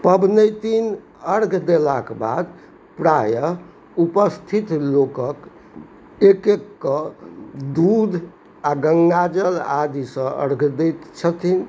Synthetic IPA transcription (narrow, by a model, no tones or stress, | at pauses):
pəbnəjt̪in | əɾɡʱd̪elakba̰d̪ | pɾajə | upəst̪ʰit̪lokək | ekekːə | d̪ud̪ʱ | aɡəŋɡad͡ʒəlad̪isə̃ə̰ɾɡʱd̪ɛt̪t͡ʃʰət̪ʰin